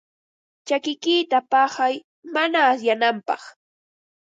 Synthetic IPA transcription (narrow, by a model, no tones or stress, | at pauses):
t͡ʃakɪkiːt̪apɑhaj | manaːsjanampɑ̰χ